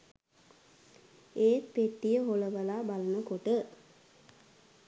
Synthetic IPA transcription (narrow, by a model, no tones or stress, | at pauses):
eːt̪peʈːijəɦoləʋəlaːbalənəkoʈə